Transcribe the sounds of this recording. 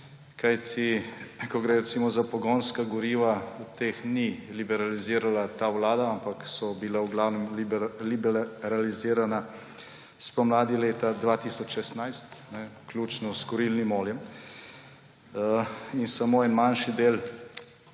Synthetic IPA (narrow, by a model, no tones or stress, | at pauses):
kajt̪ʰikɔɡɾɛɾɛt̪siːmɔzapɔɡɔnskaɡɔɾiːʋaut̪eːxnilibɛɾaliziːɾalat̪awlaːd̪aampaksɔbilawɡlawnɛmlblibɛɾaliziːɾana | spɔmlaːd̪ileːt̪ad̪ʋat̪isɔt͡ʃʃɛst̪najst̪nɛklʲjuːt͡ʃnɔskɔɾilnimɔːljɛm | insamoːɛnmanʃid̪eːl